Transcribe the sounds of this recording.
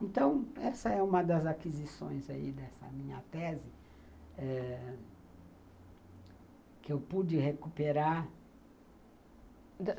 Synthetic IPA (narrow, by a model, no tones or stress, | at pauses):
ẽnt̪ɐ̃w̃ɛsɐɛũmɐd̪ɐzakizisõ̰j̃zaid̪ɛsɐ̰mĩɲɐt̪ɛzɪ | ɛ | kɪewpud͡ʒɪhekupeɾaɾ